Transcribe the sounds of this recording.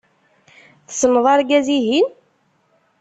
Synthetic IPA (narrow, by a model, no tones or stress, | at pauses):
θsnːðˤɑɾˤɡæziɦin